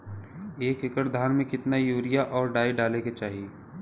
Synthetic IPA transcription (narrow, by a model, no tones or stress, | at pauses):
eːkɪkəʈd̪ʱaːnmẽkɪt̪najuːɾɪjaʔɔːɾɖaːiɖaːleket͡ʃaːɦie